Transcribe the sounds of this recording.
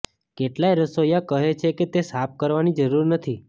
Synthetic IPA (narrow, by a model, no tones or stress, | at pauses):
keʈlajɾəsojakəɦet͡ʃʰeket̪esap̚ʰkəɾʋanid͡ʒəɾuɾnət̪ʰi